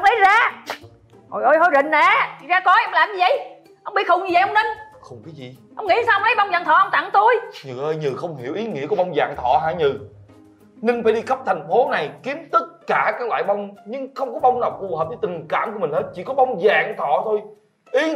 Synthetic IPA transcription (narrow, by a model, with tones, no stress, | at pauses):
ŋ͡mlə˨˦jzaː˧ | ʔo̰˨˩jʔo˧jho˧˩jzə̰˧˨˩ŋ̟naː˨˩zaː˧kɔ˨˦ɛ˧mlaː˨˩mɲɨ˧zə˧˨j | ʔə˧wŋ͡mɓḭ˦˧˥txʊ˨˩ŋ͡mɲɨ˧zə̰˨jʔə˧wŋ͡mnə˧ŋxə˧wŋ͡mkaː˨˦jzi˨ | ʔə˧wŋḭ˧˥˦saː˧wʔŋ͡mlə˨˦jɓa˧wŋ͡mzaː˨˩ŋt̪ʰɔ̰˧˨ʔə˧wŋ͡mt̪a˧˨ŋt̪u˧jɲɨ˨˩ʔəː˧jɲɨ˨˩xə˧wŋ͡mhi˧˩əwʔi˨˦ŋḭ˧˥əkɔ˨˦ɓa˧wŋ͡mza̰ː˨ŋt̪ʰɔ̰˧˨ɦaː˧˥ɲɨ˨˩ | nɨ˧ŋ̟faː˧˩ɗi˧xə˦˥p̚t̪ʰa˨˩jŋ̟fo˨˦na˨˩jki˨˦əmt̪ə˦˥t̚kaː˧˩kaː˦˥k̚la̰ː˧˨jɓa˧wŋ͡mɲɨ˧ŋxə˧wŋ͡mkɔ˨˦ɓa˧wŋ͡mnaː˨˩wfu˨˩hə˨˩p̚ɗə˧˨˦t̪ŋ̟kaː˧˩˨mku˧˩əmi̟˨˩he˦˥t̚t͡ɕḭ˧˩kɔ˨˦ɓa˧wŋ͡mzaː˨˩ŋt̪ʰɔ̰˧˨t̪ʰo˧j | ʔi˨˦